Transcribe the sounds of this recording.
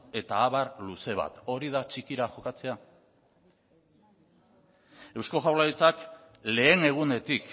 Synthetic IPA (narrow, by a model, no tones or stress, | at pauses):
e̞t̪aːβarluse̞β̞a̰t̪o̞ɾið̞at͡ʃikiɾaʝo̞kat͡se̞a | e̞wsko̞ʝawlaðit͡sak | le̞ːne̞ɣ̞und̪e̞t̪ik